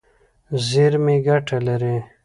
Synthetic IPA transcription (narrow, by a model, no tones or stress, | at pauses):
ziɾmeɡaʈʰalaɾe